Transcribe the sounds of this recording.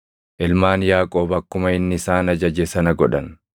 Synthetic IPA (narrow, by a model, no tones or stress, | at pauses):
ʔɪlmaːnjaːkʼoːbɐkːʊmɐɪnːɪɪsaːnɐd͡ʒɐd͡ʒɛsɐnɐɡɔᶑɐn